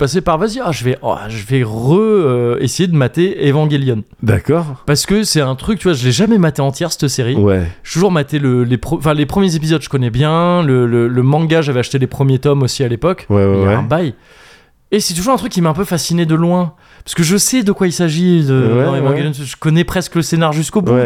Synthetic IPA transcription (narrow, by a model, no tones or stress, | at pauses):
pas̬epaʁvaziaʒəvɛʔɔ̰ʒəvɛʁəesejed̪əmat̪eevɑ̃ɡʲeljɔn | d̪a̰kɔʁpaʁsə̥kəsɛt̪ɛ̃t̪χyk̚t̪yvwaʒəlɛʒamɛmat̪eɑ̃t̪jɛʁsɛ̥t̪əseʁiwɛʒet̪uʒuʁmat̪eləlepχəɑ̃fɛ̃lepχəmjezep̬izɔd̪ʒə̥kɔnɛbjɛ̃lələləmɑ̃ɡaʒavɛaʃt̪elepχəmjet̪ɔmosialepɔkwɛɛɛɛ̰̃baj | esɛt̪uʒuʁɛ̃t̪χykʲːimaɛ̃p̬øfasined̪əlwɛ̃ | paʁsəkəʒəsɛd̪əkwailsaʒid̪əɛɑ̃evɑ̃ɡɡeljɔnʒə̥kɔnɛpχɛskələsenaʁʒyskobuwɛ